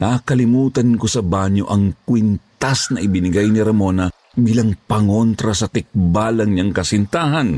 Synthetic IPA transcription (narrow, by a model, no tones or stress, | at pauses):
naːkɐlɪmuːt̪ɐnkosɐbaɲoʔɐŋkwɪnt̪asnɐʔɪbɪnɪɡajnɪɾɐmo̞ːnɐ | biːlɐŋpɐŋont̪ɾɐsɐt̪ɪk̚baːlɐŋɲaŋkɐsɪnt̪aːɦɐn